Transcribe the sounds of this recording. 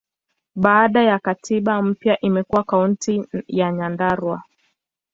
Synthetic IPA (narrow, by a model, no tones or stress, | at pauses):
ɓaːɗajakatiɓam̩pjaʔimɛkuwakauntijaɲandaɾwa